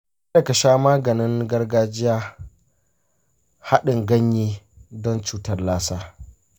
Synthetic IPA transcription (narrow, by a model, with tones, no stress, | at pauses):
ɐ˨kɐ˨ʃaː˦maː˦ɡɐ˨nɪ˦ŋɡɐ˦rɡaː˦d͡ʒɪ˦jaː˦ | ha˦ɗɪ˨ŋɡɐ˦ɲjiː˦ | dɔ˦nt͡ʃuː˦tɐ˨rlaː˦saː˦